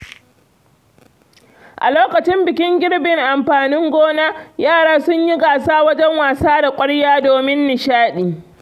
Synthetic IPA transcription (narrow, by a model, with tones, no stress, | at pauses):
ʔa̰˨loː˦kɐ˨t͡ʃɪ˦mbɪ˨kʲɪ˦ŋɡʲɪ˦ɽbɪ˨ŋʔa˨mɸaː˨nɪ˦ŋɡʷoː˦naː˦jaː˦˨ɽaː˦sʊ˦ɲji˦ɡaː˨saː˦wɐ˦d͡ʒɛ˦ŋwaː˨saː˦da˨kʷʼɐ˦ɽjaː˦doː˨mɪ˦nːɪ˨ʃaː˦ɗiː˨